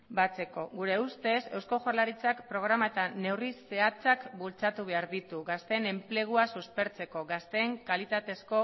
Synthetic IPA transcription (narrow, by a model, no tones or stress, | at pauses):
bat͡se̞ko̞ɣuɾe̞ust̪e̞se̞wsko̞ʝoɾlaɾit͡sakpɾo̞ɣ̞ɾamae̞t̪ane̞wrise̞at͡sakbult͡sat̪uβe̞aɾðit̪uɣast̪e̞ne̞mple̞ɣ̞uasuspe̞ɾt͡se̞ko̞ɣast̪e̞ŋkalit̪at̪e̞sko̞